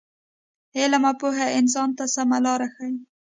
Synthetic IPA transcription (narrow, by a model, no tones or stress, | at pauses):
helamɑpoɦaɪns̬ɑnt̪asamalɑɾaxaj